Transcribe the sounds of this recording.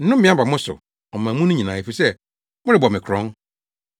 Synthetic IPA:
n̩˦nʊ̃˦m˦ɪ̃˦a˦ba˨mʊ̃˦sʊ̰˨ | ɔ˨mãː˨mũ˦nʊ̃˦ɲĩ˨nãː˨e˨fi˨sɛ˦ | mʊ˦ɾɪ˨bɔ˨mɪ̃˨kʰɾɔ̃˦n

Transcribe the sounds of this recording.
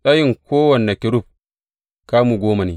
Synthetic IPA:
ɗa˦ji˦˨ŋkoː˦wɐ˨nː˨a˨kʲɪ˨ɾu˦˨p̚ | kaː˦muː˨ɡʷoː˦ma˨neː˨˦

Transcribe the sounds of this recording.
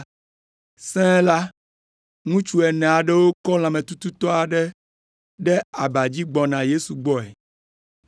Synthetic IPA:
sɛ̃˦la˦ | ŋũ˦t͡ʃu˦ɛ˨nɛ̃˨a˨ɖe˦wo˦kɔ˦l̃ã˨mẽ˨t̪u˦t̪u˦t̪ɔ˦a˨ɖe˦ | ɖe˦a˨ba˨d͡ʑi˦ɡ͡bɔ˨nã˨je˦su˨ɡ͡bɔ˦ɛ˨

